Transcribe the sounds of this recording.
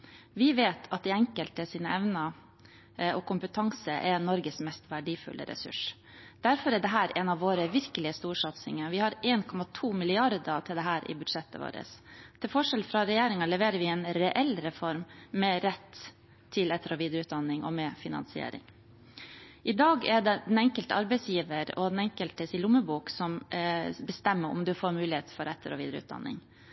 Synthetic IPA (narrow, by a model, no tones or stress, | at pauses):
ʋɪʋeːt̪ʰɑt̪̚d̪ɛɛŋkəlt̪əsiːnəɛʋnə | ɔkʰʊmpət̪ʰɑŋsəʔɛnɔɾɡəsmɛst̪ʋæɖiːfʉ̰lʔə̰ɾɛ̰sʉ̰ʂ | d̪̥æɾfɔɾæɖɛɦæːɾʔɛːnɑʋːoːɾəʋɪɾkəlɪəst̪uːʂɑt̪sɪ̰ŋəʋɪhɑɾeːnkʰɔmɑt̪ʰuːmɪlɪɑɾd̪ət̪ʰɪld̪ɛɦæːɾɪ̰bʉd̪ʂɛt̪ːə̰ʋo̰ːɾə̰st̪ʰɪlfɔʂɛlfɾɑɾɛjeːɾɪŋɑlɛʋeːɾəɾʋɪɛːnɾɛʔɛlɾɛfɔɾmːɛɾɛt̪ʰː | ɪlɛt̪ːəɾɔʋiːd̪ɾəʉːt̪̚d̪ɑnːɪŋɔ̰mɛfɪnɑ̰nsɪḛːɾɪ̰ŋ | ʔɪd̪ɑːɡɛɖɛd̪ɛnɛŋkəlt̪əɑɾbɛɪsjiːʋəɾɔ̰d̪ɛnɛŋkəlt̪əsɪlʊmːəbuːksɔmbəst̪ɛmːəɾʊ̰md̪ʉfoːɾmʉːlɪheːt̪fɔɾɛt̪ʰːəɾɔ̰ʋiːd̪əɾəʉ̰t̪̚d̪ɑ̰nːɪ̰ŋ